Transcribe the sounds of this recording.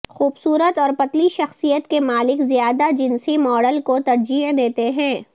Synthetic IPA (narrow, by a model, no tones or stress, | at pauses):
xuːbsuːɾət̪ɔːɾpɐt̪liʃɐxsijət̪kemaːlɪkzijaːd̪ad͡ʒɪnsimɔːɖəlkot̪ɐɾd͡ʒiːʕd̪eːt̪eɦɛ̃ː